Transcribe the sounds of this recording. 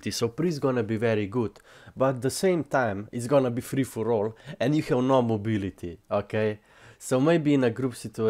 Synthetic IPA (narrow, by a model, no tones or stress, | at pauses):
t̪isowpɾizɡɔnəbiʋɛɾiɡut̪bɐt̪̚d̪əsẽɪ̃mt̪ãɪmitzɡɔnɐbifɾifuɾolɛ̃ndjuxɛwnɔmɔbilit̪iokeɪ | sɐʊmeɪbinɐɡɾupsit̪u